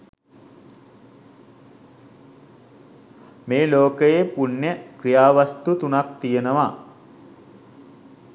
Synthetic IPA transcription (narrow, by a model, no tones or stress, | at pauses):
meːloːkəjepunjəkɾijaːʋast̪ut̪unak̚t̪ijenəʋa